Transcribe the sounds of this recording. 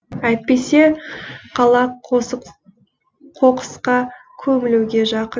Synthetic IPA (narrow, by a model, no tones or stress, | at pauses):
æjt̪̚pe̞se̞qʰɑlˠɑ | qʰo̞qə̥sqɑkʲʰɵmɪluwɡʲe̞ʒɑqə